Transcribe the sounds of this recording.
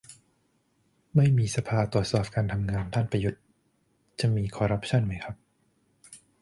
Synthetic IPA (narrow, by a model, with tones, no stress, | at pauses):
ma˥˩jmiː˧sa˧pʰaː˧t̪ɾu˨˩ət̪̚sɔː˨˩p̚kaː˧nt̪ʰa˧mŋaː˧nt̪ʰa˥˩npɾa˧ju˦˥t̪̚ | t͡ɕa˨˩miː˧kʰɔː˧ɾa˦˥p̚t͡ɕʰa˥˩nma˦˥jkʰa˦˥p̚